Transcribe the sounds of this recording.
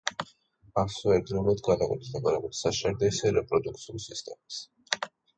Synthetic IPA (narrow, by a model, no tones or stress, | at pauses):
aksɔɛɾd̪ɾiulˠad̪ɡanakʼwɛ̰t̪ʰi̥sɛkʼɔɾɛbut̪saʃaɾd̪ɛisɛɾɛpʼɾɔd̪uk̚t̪sʰiulˠsist̪ʼɛmas